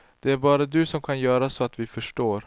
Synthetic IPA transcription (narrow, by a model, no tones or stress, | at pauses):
d̪̥ɛæɾbɑːɾad̪ɵsɔmkʰanjœːɾasɔat̪vɪfœʂʈoːɾ